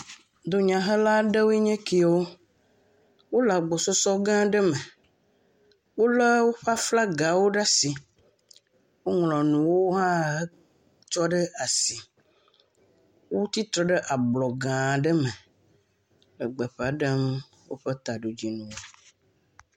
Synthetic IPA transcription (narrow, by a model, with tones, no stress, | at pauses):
d̪o˦ɲã˨ɦə˦la˦ɖə˦wo˦e˦ɲɛ̃˦ki˦˨˦wo˦ | wo˦la˨ɡ͡bo˨so˦sɔ˦ɡã˦ɖə˦me˨ | wo˦lɛ˦wo˦ɸa˦fla˦ɡa˨wo˦ɖa˦si˨ | wo˦ŋlɔ̃˨nũ˨wo˦ɦã˦ | t͡ʃɔ˦ɖə˦a˨si˨ | wo˦t̪i˦t̪ɾɔ˨ɖə˦ʔa˨blɔ˨ɡã˨ɖə˦me˨ | lə˨ɡ͡bɛ˨ɸe˨a˨ɖə˦m | wo˦ɸe˦t̪a˨ɖo˨d͡ʑi˦nũ˨wo˦